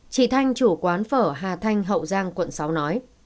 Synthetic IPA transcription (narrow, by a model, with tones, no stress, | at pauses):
t͡ɕḭ˧˩t̪ʰa˧jŋ̟t͡ɕu˧˩kwaː˨˦nfəː˧˩ɦaː˨˩t̪ʰa˧jŋ̟ɦə̰˧˨wzaː˧ŋkwə̰˧˨nsa˨˦wnɔ˨˦j